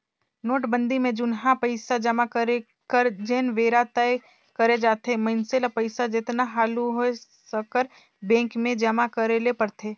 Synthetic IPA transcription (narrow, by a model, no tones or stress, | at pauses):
noːʈbə̃nd̪imẽd͡ʒʊnɦãpəɪsad͡ʒəmakəɾe | kəɾd͡ʒeːnʋeːɾat̪əe | kəɾed͡ʒaːt̪ʰemɐɪnselapəɪsad͡ʒɪt̪naɦaːluɦoesəkəɾ | bẽːŋkmẽd͡ʒəmakəɾelepɐɾt̪ʰeː